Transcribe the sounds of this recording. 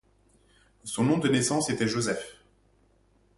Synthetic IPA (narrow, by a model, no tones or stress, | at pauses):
sɔ̃nɔ̃d̪ənesɑ̃set̪ɛʒozɛf